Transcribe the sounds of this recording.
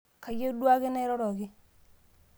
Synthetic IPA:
ka˨je˦dwa˦ɡɪ˦nɛ˦ɾɔ˦ɾɔ˨ɡɪ˦

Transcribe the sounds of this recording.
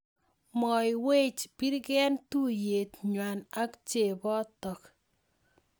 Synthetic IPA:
mɔ˨jwe˦t͡ʃpi˦ɾɡɛ˦ntu˦je˨tɲwa˨na˦kt͡ʃe˨bɔ˦tɔ˨k

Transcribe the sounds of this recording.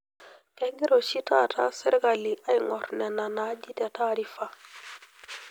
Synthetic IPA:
ke˨ɡi˦ɾo˨ʃi˦ta˦tʰa̰˦si˦ɾɡa˨li˨ʔa˦jŋɔ˨ɾnɛ˨na˨na˦d͡ʒi˦tɛ˨ta˦ɾi˦fa˦˨

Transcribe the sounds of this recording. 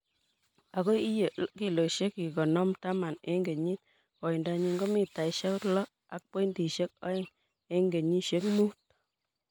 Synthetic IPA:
a˨ko˦i˦je˨ki˨lo˨ʃe˦ki˨kɔ˨nɔ˦mta˦ma˨nḛ˦ŋɡe˨ɲi˦t | kɔ˨i˨nda˧ɲi˧ŋɡo˦mi˨ta˨i˨ʃa˦lɔ˦ | a˨k̚po˦ndi˨ʃe˦k̚ɔ˦e˦˨ŋ | e˦ŋɡe˨ɲi˦ʃe˦kmu˦t̚

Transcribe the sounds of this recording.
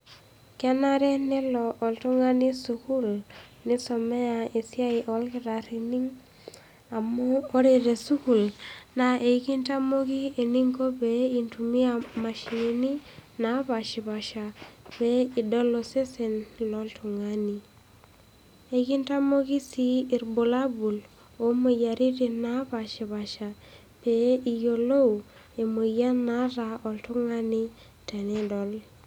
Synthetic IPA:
kɪ˦a˦na˦ɾɛ˦nɪ˦lɔ˨ʔːltu˦ŋa˦ni˦su˨ku˦lnɪ˦sɔ˨mɛ˦a˨e˨si˦a˦i˨ʔɔ˨˦lkɪ˦ɾa˨ɾi˨ni˦ŋ | a˨mɔː˦ɾe˨ɾe˨su˦ku˨lna˨ʔe˨˦ki˦nta˦mo˦ki˦e˨ni˦ŋko˦be˦i˨ntu˨mi˦a˨ma˨ʃi˨ni˨ni˦na˨˦ba˨ʃi˨ba˨ʃa˨pe˦i˨dɔ˦lːo˨se˦se˨nlɔ˨˦ltʰu˨ŋa˦ni˨ | e˨ki˦nta˦mo˦ki˦siː˦˨ɾbo˨la˦bu˨l | o˨mo˨ja˨ɾi˦ti˨na˦pa˨ʃi˨βa˨ʃa˨ | pe˨ijo˨lo˦u˨ | e˨mo˨ja˦na˦ɾa˨ɔ˨ltu˦ŋa˦ni˦ | tɛ˨ne˦dɔ˨l

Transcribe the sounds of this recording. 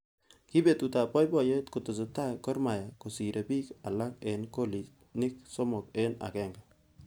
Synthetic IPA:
ki˦be˨t̪u˨ta˨pɔ˦jbɔ˨je˦tkʊ˨to˨so˨ta˦kɔ˦ɾma˨ja˨ko˨si˨ɾʔe˨bi˦ka˨la˦ke˨nko˦li˨s | nɪ˦k̚sɔ˦mɔ˨ke˦na̰˨kɛ˦ŋɡa˨

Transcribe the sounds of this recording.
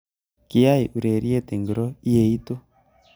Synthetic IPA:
ki˨ja˦i˨ʔu˨ɾe˨ɾi˦e˦te˨ŋɡi˨ɾo˦i˦je˨i˦to˦

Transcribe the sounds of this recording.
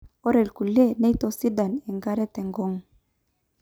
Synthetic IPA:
o˦ɾe˨lku˨le˦ne˦jt̪o˦si˦da˨ne˨ŋɡa˦ɾe˦t̪e˨ŋɡo˦ŋ

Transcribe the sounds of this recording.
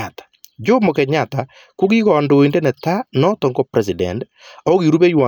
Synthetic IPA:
atḁd͡ʒo˦mo˨kɛ˨ɲata | kʊ˦ki˦kɔndo˨i˨nde˦nɛ˨ta˦nɔ˦tɔ˨ŋɡɔ˦pɾɛs̬idɛ̰˨nd | ɔ˦ɣi˨ɾu˦be˦jwa˨

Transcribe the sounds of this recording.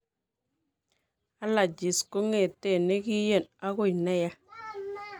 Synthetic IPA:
a˦la˨d͡ʒi˨sko˦ŋe˨te˦˨ne˦ki˦je˦˨na˦ɣo˦˨jna˦ja˦

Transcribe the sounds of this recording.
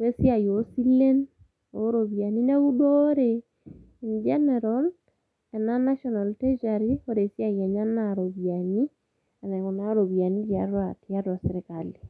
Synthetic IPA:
ɾe˦si˦a˨jo˨si˦le˦n | o˦ɾo˨βja˨ni˦nɛ˦u˦dɔ˦ɾe˨ | ind͡ʒɛ˦nɛɾɔl | ɛ˨na˦na˦ʃɔna˨lte˦d͡ʒa˨ɾi˦o˦ɾe˨sja˨jɛ˨ɲa˦naɾo˨βja˨ni˦ | a˨na˨ku˨na˦ɾo˨βja˨ni˦d͡ʒi˨a˨˦rwa˨ti˨a˦ɾwa˨se˨ɾɪ˦kali˨

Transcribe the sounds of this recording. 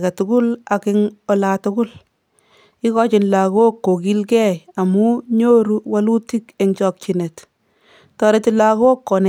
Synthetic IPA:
kɛ˨tʊ˦kʊ˦la˨kɪŋɔ˨laːtʊ˦kʊ˦l | ɪ˦kɔ˦t͡ʃɪ˨nla˨ɣo˦kːo˨ki˦lkɛ˦ja˨mu˦ɲo˦ɾu˦wa˦lu˦ti˦ke˨ŋt͡ʃɔ˨k̚t͡ʃɪne˨t | tɔ˨ɾe˦tɪlako˦kːɔ˨n

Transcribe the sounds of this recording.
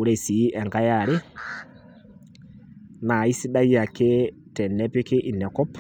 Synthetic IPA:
u˨ɾɛ˦si˨˦ʔɛ˨ŋɡa˦ja˨ɾɪ˦ | na˨i˦si˦ɗa˦i˦ja˨kɪ˦ | tɛ˨nɛ˦pɪ˦kɪ˦ʔi˨nɛ˨kɔ˦p

